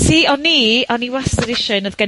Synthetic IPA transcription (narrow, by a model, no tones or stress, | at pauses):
tʰiːɔnːiːɔniwastəɾɪʃɔɨnəðɡə